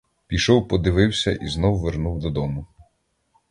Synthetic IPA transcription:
pʲijʃɔwpɔd̪ɪʋɪwsʲɐʔiznɔwʊʋernuwd̪ɔd̪ɔmʊ

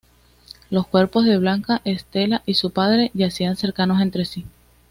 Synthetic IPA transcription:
lo̞skwe̞ɾpo̞zðe̞β̞laŋkaʔe̞st̪e̞laʔisupaðɾe̞ʝasianse̞ɾkano̞se̞nt̪ɾe̞si

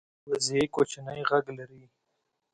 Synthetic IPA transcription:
wazekot͡ʃnəjɣaɡlaɾi

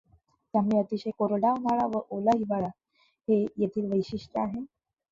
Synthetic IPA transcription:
t̪jamɭiət̪iɕejkoɾɽamaɭaʋəʔoləɦibaɭa | hejet̪ʰiːlʋəjɕiʂʈəaɦe

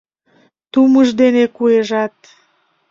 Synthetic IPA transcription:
t̪uməʒd̪enekueʒɑt̪̚

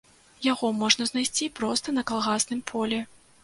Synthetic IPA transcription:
jaɣɔmɔʐnɐznajsʲt͡sʲipɾɔst̪ɐnɐkalˠɣasnɨmpʰɔlʲɛ

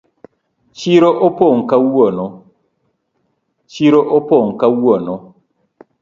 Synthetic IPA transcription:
t͡ʃiɾoʔopɔŋ̩kawuɔnɔ | t͡ʃiɾɔʔopɔŋkawuɔnɔ

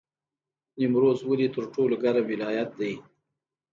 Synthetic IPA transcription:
nimɾozwəlit̪əɾʈolaɡaɾamwɪlɑjat̪̚d̪aj

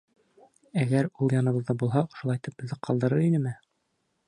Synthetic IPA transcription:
æɡæɾulˠjɑnɤ̆βɤ̆ðːɑbulˠɦɑŏʃŏlˠɑjt̪ɤp̚ɵ̆ððɘqʰɑlˠd̪ɤ̆ɾɤɾinɘmɘ

